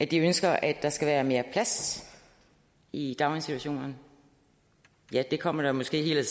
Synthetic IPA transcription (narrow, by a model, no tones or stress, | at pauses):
ʔæd̥iønsɡ̥ɐʔæd̥ɑ̈sɡ̥æʋæːɐme̝ːɐpʰlæs | id̥ɑ̈ʊleŋsit͡sʰuæɕo̝̰ːnɐn | jæd̥e̝kʰɒ̽m̰ɐɾ̥ɑmɒ̽sɡ̥e̝̰ːhe̝ːlə